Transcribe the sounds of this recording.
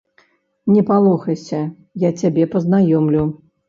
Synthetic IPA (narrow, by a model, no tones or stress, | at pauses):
nʲɛpalˠɔxɐsʲɐ | jat͡sʲabʲɛpɐznajɔmlʲu